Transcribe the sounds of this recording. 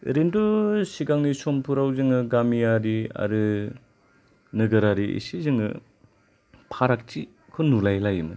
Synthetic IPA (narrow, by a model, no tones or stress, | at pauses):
ɾendosiɡaŋnisompʰuɾawzɯŋɯɡamijaɾia̰ɾɯ | nɯɡɯɾaɾiḭsizɯŋɯ̰ | pʰaɾak̚t͡ʃi | kʰɯnulajlajɯmɯ